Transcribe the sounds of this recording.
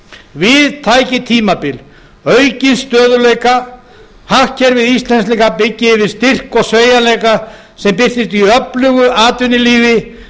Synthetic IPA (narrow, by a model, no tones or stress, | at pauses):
vɪðt̪ʰaːjcɪt̪ʰiːmapɪl | œɥcɪnst̪œːðʏleːjka | hahcɛɾvɪðist̪lɛns̬lɛkapɪcːɪvɪðst̪ɪr̥kɔɣsveːɥjalejka | sɛmpɪr̥t̪ɪst̪iœplʏɣʏʔaːt̪vɪnɪliːvɪ